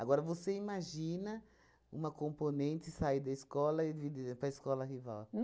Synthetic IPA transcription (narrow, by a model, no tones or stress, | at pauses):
aɡɔɾɐvoseimaʒĩnɐ | ṵ̃mɐkõmponẽnt̪ɪsaid̪ɐiskɔlɐivid̪pɾɐiskɔlɐɦiva̰w